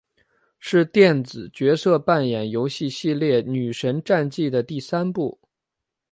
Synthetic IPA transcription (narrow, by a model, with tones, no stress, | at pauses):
ʂɻ̩˥˧t̪jɛ˥˩nt͡sɹ̩˨˩t͡ɕɥɛ˧˥sɤ˥˧pa˥˩njɛ˨˩njo˧˥ʊɕi˥˧ɕi˥˧ljɛ˥˩ny˨˩ʂə˧˥nʈ͡ʂa˥˧nt͡ɕi˥˩d̪ə˩t̪i˥˩sa˥npu˥˩